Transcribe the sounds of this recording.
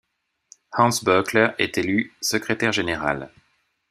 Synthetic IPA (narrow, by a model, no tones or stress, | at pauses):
hɑ̃nsbœklɛʁɛ̰t̪elysəkχet̪ɛʁʒeneʁa̰l